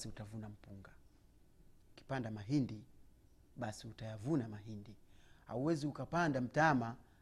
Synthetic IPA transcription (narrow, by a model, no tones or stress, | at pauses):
siutavunam̩puŋɡa | uki̥pandamaɦindi | ɓasiutajavunamaɦindiha̰uwɛziukapandam̩tama